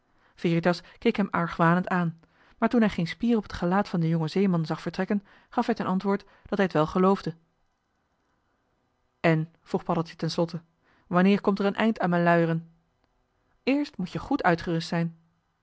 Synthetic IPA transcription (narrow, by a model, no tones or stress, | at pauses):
fɪːritɑskejkɦɛmɑɹχʋaːnəntaːn | maːɹtunɦɛjχejnspiːrɔpətχəlaːtfɑndəjɔŋəzejmɑnzɑχfəɹtrɛkən | χɑfɦɛjtənʔɑntʋʊːɹt | d̥ɑtɦɛjətʋɛlˠχəlowvdə | ɛn | v̥ruχpɑɾəl̩ˠtə̥tɛnslɔtə | ʋɑnɪːɹkɔmtərənʔɛ̰jntaːnmɛnlœɥərən | ɪːɹstmucjəχutœɥtχəʋɪstsɛjn